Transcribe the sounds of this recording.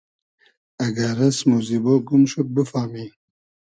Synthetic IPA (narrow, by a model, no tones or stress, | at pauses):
aɡaɾasmuziboɡumʃop̚bəfaːmi